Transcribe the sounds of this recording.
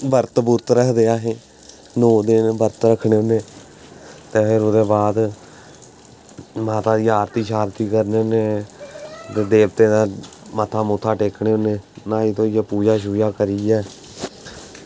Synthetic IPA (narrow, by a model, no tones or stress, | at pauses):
bəɾt̪bʊɾt̪ɾəkʰd̪eːaːɦẽː | noːd̪ɪnbəɾt̪ɾəkʰːɽeːoneː | t̪eːpɪɾod̪eːbaːd̪ | maːt̪aːd̪iːaːɾt̪iːʃaːɾt̪iːkəɾneːoneː | t̪eːd̪eːbt̪eːd̪aːmət̪ʰaːmot̪ʰaːʈeːkʰɳeːoneːnãːiːt̪õːijaːpuːd͡ʒaːʃ̬uːd͡ʒaːkəɾiːɛː